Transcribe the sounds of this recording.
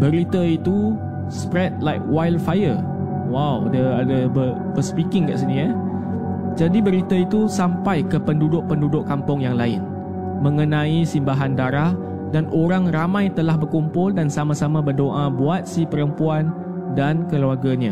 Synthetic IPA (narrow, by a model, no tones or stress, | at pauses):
bəɾit̪ait̪u | spɾɛt̪̚lajk̚wajlfajə | wawdəadəbə | bəspikɪŋka̰ʔsinia | d͡ʒadibəɾit̪ait̪usampajkəpəndudʊʔ̚pəndudʊʔkːampʊŋjaŋlaɪn | mə̃ŋənãisimbaɦandaɾah | danʔoɾaŋramãjt̪əlahbərkumpʊldansamãsamãbərdoʔabuat̪̚sipəɾəmpuan | dankəluaɡaɲa